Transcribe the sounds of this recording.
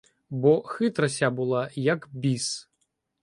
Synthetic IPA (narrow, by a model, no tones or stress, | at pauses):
bɔxɨt̪ɾɐsʲabɨlˠajɐkbʲis